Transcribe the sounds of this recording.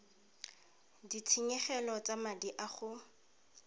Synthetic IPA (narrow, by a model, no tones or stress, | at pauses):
ditʰiɲɛχɛlɔt͡samadiʔaχʊ